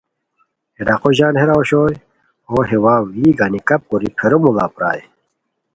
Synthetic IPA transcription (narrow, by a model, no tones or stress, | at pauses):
eɖaqoʑaːnheɾaoɕoːj | oɦewaːwiːɡanikɐp̚koɾipʰeɾomuɡa̰ːpɾa̰ːj